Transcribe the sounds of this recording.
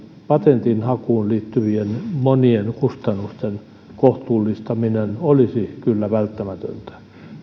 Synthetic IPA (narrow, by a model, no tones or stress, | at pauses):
pɑt̪ent̪inhɑkuːnliːt̪ːyʋienmonienkust̪ɑnːust̪en | koht̪uːlːist̪ɑminenolisikylːæʋælt̪ːæmæt̪ø̰nt̪æ̥